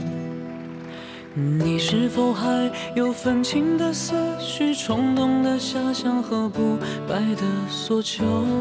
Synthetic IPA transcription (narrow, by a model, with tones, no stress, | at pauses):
ni˨˩ʂɻ̩˥˩fo˨˩ʊxa˧˥ɪ | jo˨˩ʊfə˨˩nt͡ɕʰi˧˥ŋd̪ə˨sə˥ɕy˥ʈ͡ʂʰʊ˧˥ŋt̪ʊ˥ŋd̪ə˨ɕja˥ɕjɑ˥ŋxɤ˧˥pu˧˥ | pa˧˥ɪd̪ə˩swɔ˨˥˩t͡ɕʰjo˧˥